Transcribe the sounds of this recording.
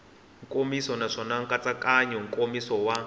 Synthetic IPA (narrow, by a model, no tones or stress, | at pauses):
ŋkʼomisɔnaʂɔnaŋkʼat͡sakʼaɲɔŋ̩kʼomisɔwa